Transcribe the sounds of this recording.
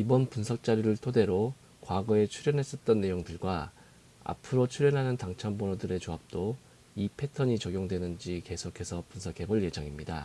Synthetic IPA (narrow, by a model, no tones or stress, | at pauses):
ibʌnpunsʰʌk̚t͡ɕ͈aɾiɾɯɭtʰode̞ɾo | kwaɡʌe̞t͡ɕʰuɾjʌnɦe̞s͈ʌt̚t͈ʌnːe̞joŋdɯɭɡwa | a̰pʰɯɾot͡ɕʰuɾjʌnɦanɯntaŋt͡ɕʰambonodɯɾe̞t͡ɕoap̚t͈o | ipʰe̞tʰʌɲit͡ɕʌɡjoŋdwe̞nɯnd͡ʑike̞sʰokʰe̞sʰʌpunsʰʌkʰe̞bʌɭje̞d͡ʑaŋimɲida̰